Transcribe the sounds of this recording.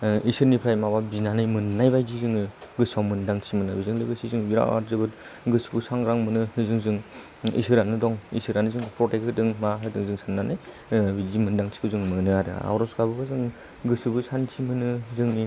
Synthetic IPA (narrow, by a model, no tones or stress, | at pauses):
isɯɾnipʰɾajmawabinanɯjmɯnːajbajzizɯŋɯɡɯsawmɯndaŋtʰimɯnɯbizɯŋlɯɡɯsʰizɯŋbiɾa̰a̰ɾzɯbɯt̚ɡɯsɯbɯsaŋɡɾaŋmɯnɯɯzɯŋzɯŋ | ḭsɯɾanɯdɔŋḭsɯɾanɯzɯŋpʰɾɔtekhɯdɯŋmaɦɯdɯŋzɯŋsʰanːanɯj | bizimɯndaŋtʰi̥kɯzɯŋmɯnɯaɾɯ̰a̰wɾɔskabɯbazɯŋ | ɡɯsɯbɯsʰantʰimɯnɯzɯŋni